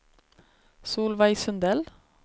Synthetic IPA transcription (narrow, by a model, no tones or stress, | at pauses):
suːlʋæɪsʉnd̪ɛl